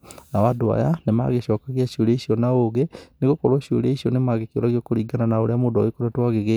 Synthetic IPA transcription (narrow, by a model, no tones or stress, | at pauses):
nawadoa̰janema̰ɣeɕɔːkaɣiaɕoɾeisiɔnaoɣeneɣokɔɾwaɕo̰ɾeisiɔnemaɣeko̰ɾaɣiokoɾiːɡananaoɾeamoːdaekoɾatwaɣeɣe